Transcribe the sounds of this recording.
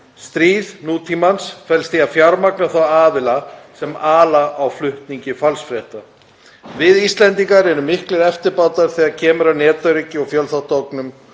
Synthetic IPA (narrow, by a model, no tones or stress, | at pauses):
st̪ɾiːðnuːt̪ʰimansfɛlst̪iafjaɾmaknaθawaːðɪlasɛmaːlaʔawflʏht̪niɲcɪfalsfɾjɛht̪a | vɪðist̪lɛnt̪iŋkaɾɛɾʏmɪhklɪɾɛft̪ɪɾpaːwt̪aɾ̥θiaɾcʰɛːmʏɾawnɛːt̪œɥɾɪcɪɔɣfjœlθaht̪owknʏm